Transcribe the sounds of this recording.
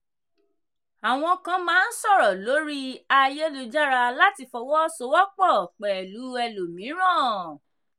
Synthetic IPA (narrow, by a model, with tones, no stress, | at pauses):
a˨w̃ɔ̃˧kã˧mãː˦n̩˦sɔ˦˨ɾɔ˨lo˨˦ɾi˦a˧je˦lu˧d͡ʒa˦ɾa˧la˦ti˧fɔ˧wɔ˦so˦wɔ˦k͡pɔ˦˨k͡pɛ˨lu˨˦ɛ˧lo˨mĩ˨˦ɾ̃ã˦˨